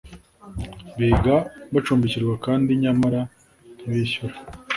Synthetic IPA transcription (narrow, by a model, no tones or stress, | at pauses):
βiɡaβat͡ʃuːmbiciɾɡwakaːndiɲamaɾa | iβiçuɾa